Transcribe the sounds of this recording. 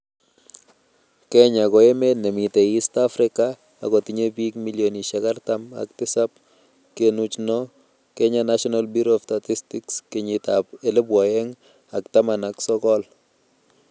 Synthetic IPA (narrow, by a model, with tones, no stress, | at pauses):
kɛ˦ɲakɔ˨e˦me˦nɛ˨mi˨t̪ɛ˨i˦stafɾɪ˦ka̰ː˨ | kɔ˨ti˨ɲe˦bi˦kmi˦ljoni˨ʃakaɾt̪ama̰k̚t̪ɪ˦sa˦p̚ | kenu˦t͡ʃnɔ˦ | kɛ˦ɲanaʃɔnalbi˦ɾoftati˦stikske˨ɲi˨t̪ape˨le˦bwɔ˨ɛ˦ŋ | a˨kt̪a˦mana˨ksɔkɔ˦l